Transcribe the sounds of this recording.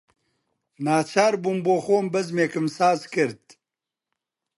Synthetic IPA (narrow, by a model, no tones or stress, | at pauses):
naːt͡ʃʰaːɾbuːmboːxoːmbɐzmeːkɨmsaːzkɨɾd̪̚